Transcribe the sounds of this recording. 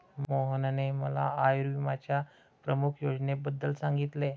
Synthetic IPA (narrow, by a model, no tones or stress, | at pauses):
moɦənaneməla̰ajɾʋimat͡ɕja | pɾəmukʰjod͡ʑnebəd̪ːəlsãŋɡit̪le